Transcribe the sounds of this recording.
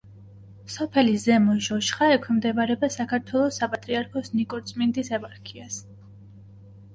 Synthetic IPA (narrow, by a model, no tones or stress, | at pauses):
sɔpʰɛlizɛmɔʒɔʃχaɛkʰwɛmd̪ɛbaɾɛbasakʰaɾt̪ʰwɛlˠɔsapʼat̪ʼɾiaɾkʰɔsnikʼɔɾt̪sʼmind̪isɛpʼaɾkʰias